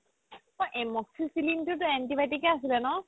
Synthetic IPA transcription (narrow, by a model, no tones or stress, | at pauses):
ɔʔɛmɔksisilintʊtʊɛntibatikɛas̬ilɛnɔ